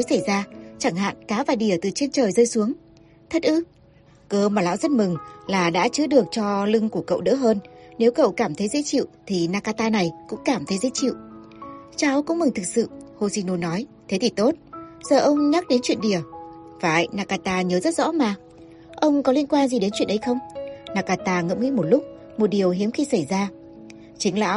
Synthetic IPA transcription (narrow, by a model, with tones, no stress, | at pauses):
jsa˧˩jzaː˧t͡ɕa˧˩ŋɦa̰ː˧˨nkaː˨˦vaː˨˩ɗi˧˩ət̪ɨ˨˩t͡ɕe˧nt͡ɕəː˨˩jzəː˧jsu˨˦əŋ | t̪ʰə˦˥t̚ʔɨ˦˥ | kəː˧maː˨˩la̰ː˧˨wzə˦˥t̚mɨ˨˩ŋlaː˨˩ɗa̰ː˧˥t͡ɕɨ˨˦ɗɨ˨˩ək̚t͡ɕɔ˧lɨ˧ŋku˧˩əkə̰˧˨wɗə̰˧˥ɦəː˧nne˨˦wkə̰˧˨wkaː˧˩mt̪ʰə˨˦jzḛ˧˥t͡ɕḭ˧˨wt̪ʰi˨˩naː˧kaː˧t̪aː˧na˨˩jkʊ̰˧˥ŋ͡mkaː˧˩mt̪ʰə˨˦jzḛ˧˥t͡ɕḭ˧˨wʔ | t͡ɕaː˨˦wkʊ̰˧˥ŋ͡mmɨ˨˩ŋt̪ʰɨ˨˩k̚sɨ̰˧˨ho˧si˧no˧nɔ˨˦jt̪ʰe˨˦t̪ʰi˨˩t̪o˦˥t̚z̥əː˨˩ʔə˧wŋ͡mɲa˦˥k̚ɗe˨˦nt͡ɕwḭ˧˨ənɗi˧˩ə | faː˧˨jnaː˧kaː˧t̪aː˧ɲəː˨˦zə˦˥t̚zɔ̰˧˥maː˨˩ | ʔə˧wŋ͡mkɔ˨˦li˧ənkwaː˧nzi˨˩ɗe˨˦nt͡ɕwḭ˧˨ənʔə˨˦jxə˧wŋ͡mnaː˧kaː˧t̪aː˧ŋə̰˧˥mŋḭ˧˥mo˨˩t̚lʊ˦˥k͡p̚ | mo˨˩t̚ɗi˨˩əwɦi˨˦əmxi˧sa˧˩jzaː˧ | t͡ɕï˨˦ŋ̟la̰ː˧˥w